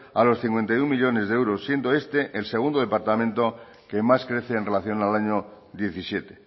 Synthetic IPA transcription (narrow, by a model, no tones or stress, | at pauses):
alo̞sθiŋkwe̞nt̪ajummiʎo̞ne̞zðeewɾosːje̞nd̪oe̞st̪e̞ʔelse̞ɣ̞und̪oe̞paɾt̪amẽ̞nt̪o̞ | ke̞maskɾe̞θeːnre̞laθjo̞nalaɲo | ðje̞θisje̞t̪e